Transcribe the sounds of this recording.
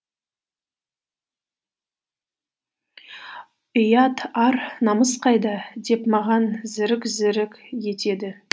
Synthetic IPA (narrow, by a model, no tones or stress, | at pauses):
ɪjɑt̪ɑɾnɑməsqʰɑjd̪ɑd̪e̞pmɑʁɑnzɪɾɪkzɪɾɪkʲje̞t̪e̞d̪ɪ